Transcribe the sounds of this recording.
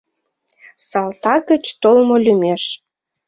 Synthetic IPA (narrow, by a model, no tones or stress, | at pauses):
sɑlt̪ɑɣət͡ɕt̪olmolʲymeʃ